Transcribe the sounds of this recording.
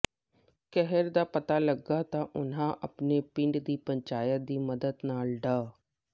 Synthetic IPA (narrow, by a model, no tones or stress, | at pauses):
kɛɦəɾd̪aːpət̪aːləɡːaːt̪ãːʔʊnɦãːʔəpneːpɪɳɖd̪iːpəɲt͡ʃaːjət̪̚d̪iːməd̪əd̪naːlɖaː